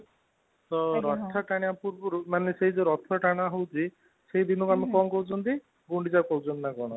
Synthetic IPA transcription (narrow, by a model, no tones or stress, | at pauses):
t̪ɔɾɔt̪ʰɔʈaɽ̃japuɾbɔɾumaneseɦid͡ʒeɾɔt̪ʰɔʈaɽ̃aɦowt͡ʃʰi | seɦid̪inɔkamikɔnkɔwt͡ʃʰɔnt̪i | ɡuɳɖid͡ʒakɔɦut͡ʃʰɔnt̪nakɔɽ̃ɔ